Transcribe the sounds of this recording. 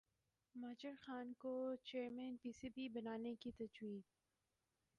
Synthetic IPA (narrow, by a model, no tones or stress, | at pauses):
mɐːd͡ʒəɾxaːnkot͡ʃeːɾmɛ̃ːnpiːsibʱibɐnaːnekit̪ɐd͡ʒwiːd̪̚